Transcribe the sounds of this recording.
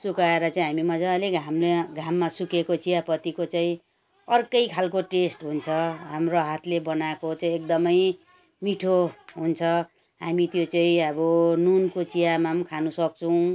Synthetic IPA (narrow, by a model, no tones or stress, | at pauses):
sukaeɾʌt͡saĩɦamimʌd͡zaleɡʱamleɡʱamːasukekot͡sijapʌt̪ikot͡saĩ | ʌrkʌjkʰalkoʈesʈɦunt͡sʰʌɦamroɦat̪ʰlebʌnakot͡saĩek̚d̪ʌmʌj | miʈʰoɦunt͡sʰʌ | ɦamit̪jot͡saĩʌbʌnunkot͡sijamamkʰanusʌk̚t͡sʰʌw̃